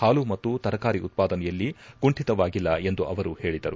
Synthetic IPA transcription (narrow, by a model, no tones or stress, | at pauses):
haːlumɐt̪ːut̪ɐɾɐkaːɾiut̪̚paːd̪ɐnɛjɐlːiɡuɳʈit̪ɐʋaːɡilːɐe̞nd̪uʔɐʋɐɾuhe̞ːɭid̪ɐɾu